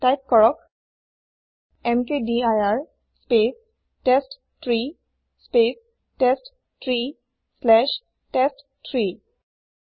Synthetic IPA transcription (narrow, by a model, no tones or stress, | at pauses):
tajp̚kɔɹɔk̚ | ɛmkediajaɹ | spes | test | tɹi | spes | test | tʰɹi | slɛʃ | test | tʰɹi